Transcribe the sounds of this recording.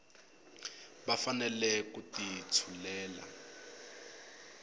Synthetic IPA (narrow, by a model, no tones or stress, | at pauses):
bafanɛlɛkutit͡sʰulɛːla̰